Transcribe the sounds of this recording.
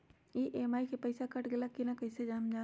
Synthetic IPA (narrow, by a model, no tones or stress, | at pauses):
iʔemaːikʰepɐɪsakɐʈɡelakinakɐɪsed͡ʒaːmd͡ʒaː